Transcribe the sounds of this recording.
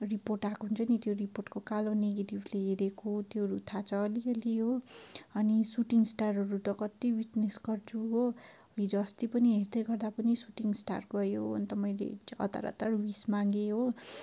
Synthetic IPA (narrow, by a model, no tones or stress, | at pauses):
riporʈakɦunt͡sʰʌnit̪joriporʈkokaloneɡeʈibleɦeɾekʰot̪joɦʌɾut̪ʰat͡sʰʌːliʌliɦoʌnisuʈiŋsʈarɦʌɾut̪ʌkʌt̪ibiʈnesɡʌrt͡sʰuɦo | ʌlid͡zʌst̪ipʌniɦerd̪ʌjɡʌrd̪apʌnisuʈiŋsʈa̰rɡʌjoʌ̰nt̪ʌmʌjlḛʌ̰t̪a̰ɾʌ̰t̪ʌrwismaŋɡeɦo